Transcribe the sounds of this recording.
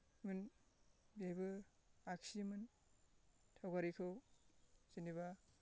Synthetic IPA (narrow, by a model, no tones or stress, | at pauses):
mɯn | bajbɯ | aksimɯn | tʰawɡaɾikʰɯw | z̥iniβa